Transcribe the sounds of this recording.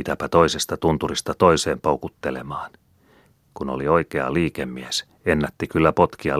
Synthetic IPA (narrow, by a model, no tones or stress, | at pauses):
it̪æpæt̪o̞isest̪ɑt̪unt̪urist̪ɑt̪oiseːmpoukut̪ːelemɑːn | kuno̰lioikeɑ̰liːkemːies | enːæt̪ːikylːæpo̞t̪kiɑ̰